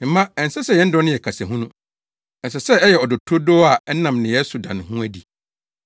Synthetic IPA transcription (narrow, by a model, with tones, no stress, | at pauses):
m̩˨˦mã˦ɛ̃˨n˨sɛ˦sɛ˦˨jɛ˦n̩˦dɔ˦nʊ̃ɪ̃˦jɛ˨kʰa˨sɛ˨ɦũ˦nũ˦ | ɛ˨sɛ˨sɛ˦ɛ˦jɛ˨ɔ˨dʊ˨tʰo˦do˦a˨ɛ˦nã˨mnɪ̃˨jɛ˦su˨dã˨ñ˨hũ˦æ˨di˨